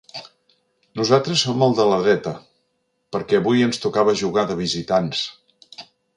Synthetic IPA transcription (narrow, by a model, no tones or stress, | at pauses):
nuzat̪ɾəsːoməlˠd̪ələðɾɛt̪ə | pəɾkɛːβujənst̪ukaβəʒuɣaðəβizit̪ans